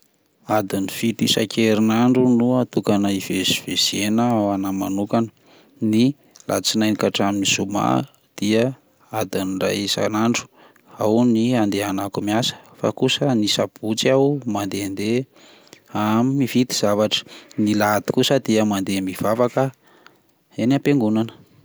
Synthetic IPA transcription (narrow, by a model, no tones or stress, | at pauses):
ad̪iniv̥it̪isakeɾinaɳɖ͡ʐunuat̪ukanəiveziv̥ez̥enəanamanukanə | ni | lʔa̰t͡sinajnikaʈ͡ʂaminiz̥uma̰ | d̪̥iə | ad̪inira̰jisa̰naɳɖ͡ʐu̥ | awniand̪eanakumiasə̥fa̰kusənisab̥ut͡siawmand̪eand̪e | amimiv̥it̪i̥z̥avaʈ͡ʂə̥nilat̪i̥kusəd̪iəmand̪emiv̥avakə | enapeŋɡunanə̥